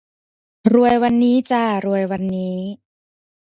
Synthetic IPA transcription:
ɾu˧˩əjwa˧nːiː˦˥t͡ɕaː˧˩ɾu˧əjwa˧nːiː˦˥

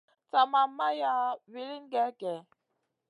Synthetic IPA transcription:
t͡sa˨ma˨mːa˦ja˦vi˨˦li˦nɡɛ˨˦kɛ˨

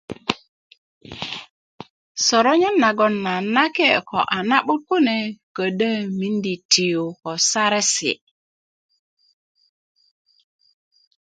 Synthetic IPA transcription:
so˨ɾo˦ɲə˦nːa˨ɡo˦˨nːa˨na˦ke˦˨ko̰˨ʔa˨na˦ɓu˦ku˦ne˨kə˨də˦mi˦ndi˨ti˨ju˨ko˨sa˦ɾe˦sḭ˨

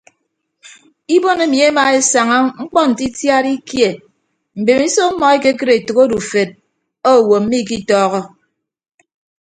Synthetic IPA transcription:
i˦bo˦ne˨mi˨e˦ma˨e˦sa˨ŋa˦ŋ͡m̩˦k͡pɔ˦n̩˨ti˦tja˦ɾi˦kje˨ | m̩˨be˨mi˦so˦mɔ˨e˦ke˦kɨ˦ɾe˨to˨ko˦du˨fe˨d̚ | o˦˨wo˨m̩˦mi˦˨k̬i˦tɔː˦ɣɔ˦

